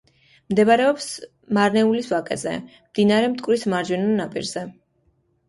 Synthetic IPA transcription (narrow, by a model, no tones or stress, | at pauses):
md̪ɛβaɾɛɔps | maɾnɛulisvakʼɛ̰zɛ̰md̪inaɾɛmt̪ʼkʼwɾismaɾd͡ʒɛnɔnapʼḭɾzɛ